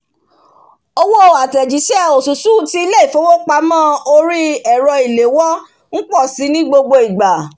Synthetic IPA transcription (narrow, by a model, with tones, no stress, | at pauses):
o˦˧wo˦˨a˨tɛ˨d͡ʒi˨˦ʃɛ˦˨o˨su˨su˦˨ti˧˦i˦le˦i˦˨fo˨˦wo˦k͡pa˧mã˦o˧ɾi˦ɛ˨ɾɔ˧i˨le˨˦wɔ˦ | n̩˦k͡pɔ˦˨si˨˦nĩ˦ɡ͡bo˧ɡ͡bo˧i˨ɡ͡ba˨